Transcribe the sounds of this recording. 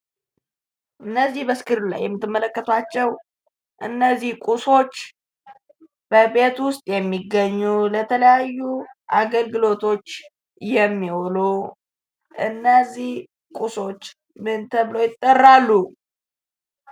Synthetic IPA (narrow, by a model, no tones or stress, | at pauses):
ʔɨnːəzːihbəskʰɨɾula̰jːɛmːɨt̪ʰːɨmːələkːət̪ʰat͡ʃːɛw | ʔɨnːəzːihkʼuso̞t͡ʃː | b̥əbet̪wʊst̪ʼjɛmːiɡːəɲːulət̪ʰələjajːuʔaɡəlɡɨlo̞t̪ʰo̞t͡ʃː | jɛmːiwolo | ʔɨnːəzːih | kʼuso̞t͡ʃː | mɨnt̪ʰəβlo̞jɪt̪ʼːərːalːu